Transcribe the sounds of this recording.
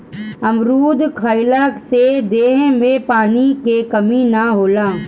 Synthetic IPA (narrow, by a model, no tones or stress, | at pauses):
ɐmɾuːd̪kʰaːɪlaksed̪eːɦmẽpaːnikekɐminaɦoːlãː